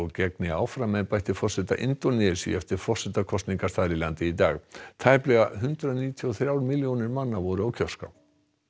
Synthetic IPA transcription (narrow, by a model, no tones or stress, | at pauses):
cɛknɪawfɾamɛnpajht̪ɪfɔrsɛt̪aʔɪ̰nt̪ɔnɪsḭɛft̪ɪɾ̥fɔr̥sɛt̪akʰɔst̪niŋkast̪aːðɾɪlant̪ɪit̪aːɣt̪ʰajplɛɣaɦʏnt̪ɾʏaniːt̪ʰiɔθɾjaːwɾmɪljownɪɾmanːavɔɾʏawcʰœ̥ska̰